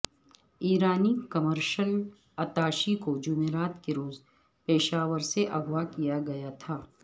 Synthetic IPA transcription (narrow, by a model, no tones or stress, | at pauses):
iːɾaːnikɐməɾʃəl | ɐt̪aːʃikod͡ʒʊmeːɾaːt̪keɾoːz | peːʃaːʋəɾseʔɐɡʋakijaɡɐjat̪ʰaː